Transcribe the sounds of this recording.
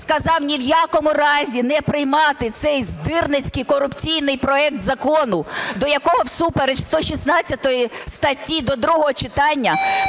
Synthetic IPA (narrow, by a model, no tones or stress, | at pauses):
skɐzɑwnʲiwjakɔmʊɾɑzʲinɛpɾɪjmɑt̪ɪt̪sɛjzd̪ɪrnɪt͡sʲkɪjkɔrʊpt͡sʲijnɪjpɾɔɛk̚t̪zɐkɔnʊd̪ɔjɐkɔɦɔwsupeɾet͡ʃst̪ɔʃʲisnɑt͡sʲːɐt̪ɔjist̪ɐtʲːid̪ɔd̪ɾuɦɔɦɔt͡ʃɪt̪ɑnʲːɐ